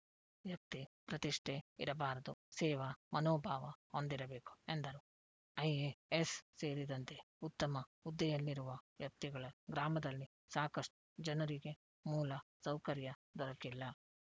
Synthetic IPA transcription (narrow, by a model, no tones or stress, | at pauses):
jɐk̚t̪ipɾɐt̪iʂʈʰeḭɾɐbaːɾɐd̪usɛːʋɐmɐnoːbʱaːʋɐhond̪iɾɐbe̞ːku̥end̪ɐɾu | ɐjeesseːɾid̪ɐnt̪e̞ | ut̪ːɐmɐud̪ːɐjɐlːiɾuʋɐjɐk̚t̪iɡɐɭɐɡɾaːmɐd̪ɐlːi | saːkɐʂʈu̥d͡ʒɐnɐɾiɡe̞ | muːlɐ | sɐwkɐɾjɐd̪ɔɾɐkilːɐ